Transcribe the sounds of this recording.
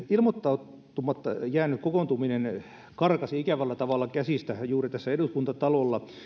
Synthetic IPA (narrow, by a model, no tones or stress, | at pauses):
ilmot̪ːɑut̪ːumɑt̪ːjæːnykkokont̪uminen | kɑrkɑsiɑikæʋælːæt̪ɑʋɑlːˑɑkæsiˑst̪æjuːrit̪æsːæeduskunt̪ɑt̪ɑlolːɑ